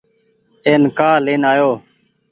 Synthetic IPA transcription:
eːnkaːleːnaːjoː

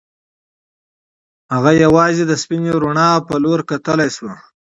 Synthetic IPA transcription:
haɣajawɑzed̪əspineɾuɳɑpəloɾkat̪əlajswa

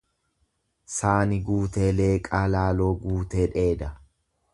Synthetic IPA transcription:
saːnɪɡuːt̪e̞ːle̞ːkʼaːlaːlo̞ːɡuːt̪eːᶑe̞ːd̪ɐ

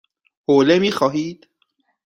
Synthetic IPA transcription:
hoːlemiːxɒːɦiːd̪̥

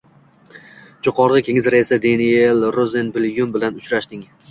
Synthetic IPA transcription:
d͡ʒoqʰɒɾʁɨkʲʰe̞ŋɪzɾaɪsad̪enielɾozenbɪlˠjʊmbɪlanʊt͡ʃɾaʃd̪ɪŋ

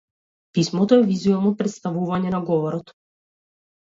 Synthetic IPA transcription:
pismɔt̪ɔɛvizuɛlˠnɔpɾɛt̪st̪avuvaɲɛnaɡɔvɔɾɔt̪

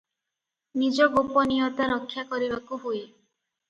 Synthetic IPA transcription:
nid͡ʒɔɡopɔniɔt̪aɾɔkʰːjakɔɾibakuɦuj

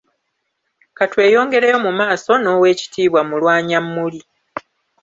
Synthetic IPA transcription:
katwe̞ːjo̞ːŋɡe̞ɾejo̞mumaːso̞no̞ːwe̞ːci̥tiːβwamulwaːɲamːuli

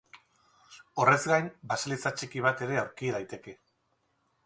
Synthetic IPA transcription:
o̞re̞zɡajnbasalit͡sat͡ʃikiβ̞at̪e̞ɾe̞awɾkiðajt̪e̞ke̞

